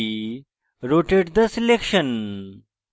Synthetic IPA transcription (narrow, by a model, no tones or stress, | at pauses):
ɾoʈeʈd̪əslekʂən